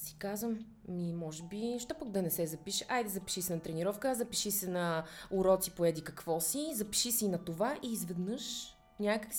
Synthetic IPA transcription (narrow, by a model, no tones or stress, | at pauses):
si̥kazvmː | imɔʒɛbiʃt̪ɔpək̚d̪ɐnɛsɛzɐpiʃɛʔajd̪zɐpi̥ʃisɛnɐt̪ɾɛniɾɔfkəzɐpiʃisɛnɐʊɾɔt̪sipoɛd̪ikɐkvɔsizɐpi̥ʃisɛinɐt̪ovaʔiːzvɛd̪nɤʃ | nʲakəks